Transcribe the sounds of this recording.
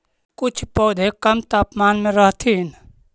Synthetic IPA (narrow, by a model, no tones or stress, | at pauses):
kʊt͡ʃʰpɔːd̪ʱekəmt̪aːpmaːnmẽɾəɦt̪ʰin